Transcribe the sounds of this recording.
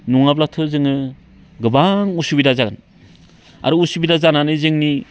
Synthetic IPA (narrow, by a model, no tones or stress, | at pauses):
nuŋablatʰozɯŋɯ | ɡɯbaŋusubidazaɡɯn | a̰ɾuusubidazananɯzɯŋni